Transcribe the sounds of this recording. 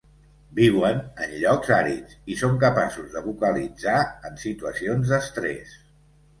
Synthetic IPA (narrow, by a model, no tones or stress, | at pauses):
biwənənʎɔkzaɾit͡sisoŋkəpasuzðəβukəlid͡zaənsit̪uəsionzðəst̪ɾɛ̰s